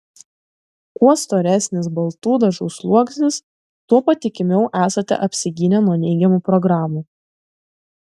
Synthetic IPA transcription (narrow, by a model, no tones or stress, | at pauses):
kuɔst̪oːɾʲæsʲnʲɪsbɐlˠt̪uːd̪ɐʒɔʊslˠuɔksʲnʲɪs | t̪uɔpɐt̪ʲɪkʲɪmʲɛʊʔæːsɐt̪ʲɛ̰ʔɐpʲsʲɪɡʲɪnʲɛnuɔnʲɛɪɡʲɛmuːpɾɔɡɾɑːmuː